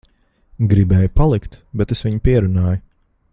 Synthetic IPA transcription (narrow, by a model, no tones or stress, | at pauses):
ɡɾibɛːjpalˠikt̪bɛt̪esʋiɲpiɛɾunaːjʊ